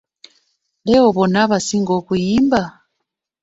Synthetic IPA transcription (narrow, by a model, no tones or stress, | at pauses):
lɛɔβɔnaβasiŋɡɔkujimba